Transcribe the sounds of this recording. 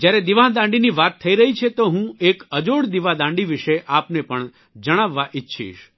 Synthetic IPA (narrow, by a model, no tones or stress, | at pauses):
d͡ʒjaɾed̪iʋãd̪ãɳɖiniʋat̪ʰːəiɾəɦit͡ʃʰet̪oɦũekəd͡ʒoɽd̪iʋãd̪ãɳɖiʋɪʃeʔapnepəɳ | d͡ʒəɽ̃aʋːaʔɪtːʃʰḭʃ